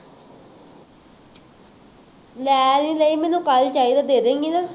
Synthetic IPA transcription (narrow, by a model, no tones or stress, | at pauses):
lɛːliːləiːmɛ̃ːnũːkəlt͡ʃaːiːd̪aːd̪eːd̪ẽːŋɡinãː